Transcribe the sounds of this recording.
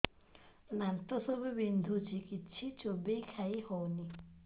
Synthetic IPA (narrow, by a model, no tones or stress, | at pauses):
nant̪ɔsɔbubind̪ʱut͡ʃʰikit͡ʃʰit͡ʃobejkʰaihɔwni